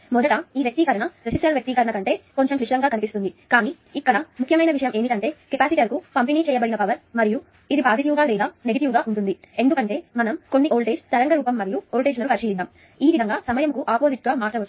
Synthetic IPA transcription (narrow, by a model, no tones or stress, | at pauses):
mɔd̪ɐʈɐiːʋjɐk̚t̪ikɐɾɐnɐɾesisʈɐlʋjɐk̚t̪ikɐɾɐɳɐkɐɳʈe̞ːko̞ɲt͡ʃemkliʂɐɾɐŋɡaːkɐnipist̪und̪ikaːniː | ikːɐɽɐmukʰjɐmɐjnɐʋiʃɐjɐmeːmiʈɐɳʈe̞ːkepaːsiʈːɐɾkukɐmpeniːt͡ʃɛːjɐbɐɽinɐpɐʋɐɾmɐɾiju | id̪ibaːd̪ʱit̪iʋɡaːlɛːd̪aːneɡɐʈiʋɡaːʔuɳʈund̪iend̪ukɐɳʈe̞ːmɐnɐmko̞nːiʔoːɭʈeːd͡ʒt̪ɐɾɐŋɡɐɾuːpɐmːɐɾijuoːlʈeːd͡ʒlɐnukɐɾʃiːjid̪aːm | iːʋid̪ʱɐŋɡaːsɐmɐjɐmkuʔaːpoːziʈ̚ɡaːmaːɾʈɐʋɐ